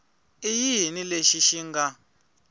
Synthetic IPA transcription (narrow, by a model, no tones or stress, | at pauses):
ijiɦnileʃiʃiŋɡa